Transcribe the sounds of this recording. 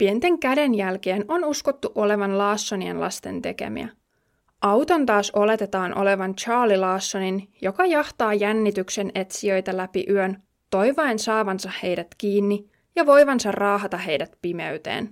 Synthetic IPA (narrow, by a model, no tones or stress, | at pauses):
pient̪e̞ŋkæde̞njælke̞ːnʔo̞nuskot̪ːuʔo̞le̞ʋɑnlɑːsːoniḛnlɑ̰st̪e̞̰nt̪e̞̰kḛmḭæ̰ | ʔɑwt̪o̞nt̪ɑːso̞le̞t̪et̪ɑːnʔo̞̰le̞ʋɑnt͡ʃɑːlilɑːsːo̞ninjo̞kɑjɑht̪ɑːjænːit̪ykse̞ne̞t̪siø̞jt̪ælæpḭʔyøn | t̪o̞jʋɑensɑːʋɑnsɑhhe̞jdæt̪kiːnːi | jɑʋo̞jʋɑnsɑrrɑːɦɑt̪ɑɦejdæt̪pime̞̰ɥt̪ḛːn